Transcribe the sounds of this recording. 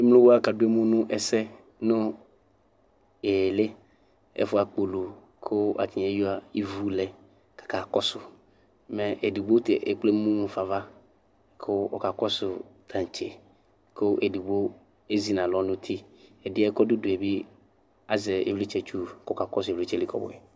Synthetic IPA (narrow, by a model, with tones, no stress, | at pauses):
e˦m˦lʊ̃˦wo˦a˦ka˨dʊ˦e˦mũ˦nʊ̃˦ʔɛ˨sɛ˦ | nʊ̃˦ | e˨le˦ | ḛ˦fʊ˦a˨k͡po˨lo˨ | kʰʊ˦a̰˨ti˨ɲe˦jo˦a˨i˦vu˦lɛ˨ | kḁ˨ka˨kɔ˦sʊ˨ | mɛ̃˨ʔe˨di˨bo˦t̪e˨ʔe˨k͡ple˦mũ˦mũ˨fa˨va˦ | kʰʊ˦ɔ̰˨ka˨kɔ˦sʊ˨t̪ʰã˨n˨t͡ʃe˨ | kʰʊ˦ʔe˨du˨bo˦ | e˦zi˨˦nã˨lɔ˨˦nʊ̃˦t̪ʰi˦ɛ˨dɪ˦ɛ˦kɔ˦dʊ˦dʊ˨ɛ˨bi˦ | a˨zɛ˨ḛ˦vlɪ˦t͡ʃɛ˦t͡ʃu˦˨kka˨kɔ˦sʊ˨lɪ˦t͡ʃɛ˦li˦kʰɔ̰˦bʊ̰˨ɛ˨